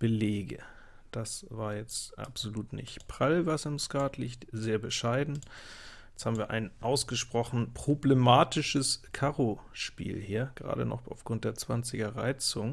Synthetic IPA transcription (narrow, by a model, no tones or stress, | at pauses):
b̥əleːɡə̰ | d̥asvaːɐjɛt͡stʔa̰pz̥oluːtnɪ̰çtpʁ̥alvasɪmskaɐtʰlɪçtzeːɐbəʃaɪdn̩jjɛt͡sthaːbm̩viːɐʔa̰ɪnʔaʊsɡ̥əʃpʁ̥ɔχn̩pʁ̥oblemaːtɪʃəskʰaʁoʃpḭːlhiːɐɡ̥ʁa̰ːdə̰nɔ̰χa̰ʊfɡ̥ʁʊnt̚d̥eːɐt͡sv̥ant͡sɪɡɐʁaɪt͡sʊŋ